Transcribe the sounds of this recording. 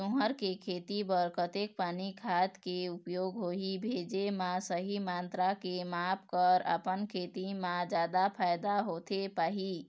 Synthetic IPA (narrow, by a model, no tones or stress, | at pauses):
ũɦəɾkekʰet̪ibəɾkət̪ek̚paːnikʰat̪keupjoɡɦoɦibʱed͡ʒemãsəɦimant̪ɾakemap̚ʰkəɾə̰pənkʰet̪imãd͡ʒad̪apʰajd̪aɦot̪epaːɦi